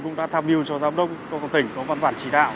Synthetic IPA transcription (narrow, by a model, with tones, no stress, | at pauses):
kʊ̰˧˥ŋ͡mɗa̰ː˧˥t̪ʰaː˧mʔi˧əwt͡ɕɔ˧zaː˨˦wŋ͡mɗə˦˥wk͡p̚t͡ɕɔ˨˧kɔ˨˧˩t̪ï˧˩ŋ̟kɔ˨˦va˧nvaː˧˩nt͡ɕi˧˩ɗa̰ː˧˨w